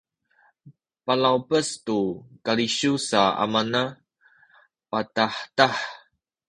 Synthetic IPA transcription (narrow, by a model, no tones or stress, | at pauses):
palawpəstukaɾiɕusaa̰mana | pataħtaħ